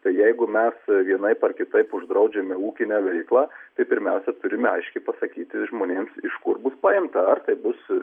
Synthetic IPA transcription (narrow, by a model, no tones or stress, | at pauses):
t̪ɐɪjɛɪɡʊmʲɛsʋʲiɛnɐɪpɐrkʲɪt̪ɐɪpʊʒd̪ɾɐʊd͡ʒʲɛmʲɛuːkʲɪnʲæʋʲɛɪklˠɑːt̪ɐɪpʲɪɾʲmʲɛʊsʲɛt̪ʊɾʲɪmʲɛɐɪʃʲkʲɛɪpɐsɐkʲiːt̪ʲɪʒmoːnʲeːmsɪʃkʊrbʊspɑːjɪmt̪ɐɐrt̪ɐɪbʊs